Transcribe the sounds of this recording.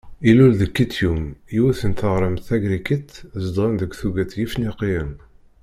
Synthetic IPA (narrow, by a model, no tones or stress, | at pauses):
ilulðəkːit̪jumiwæθənt̪əʁɾəmθæɡɾikət̪zd̪ˤʁənðəɡʷθuɡæt̪jifniqiən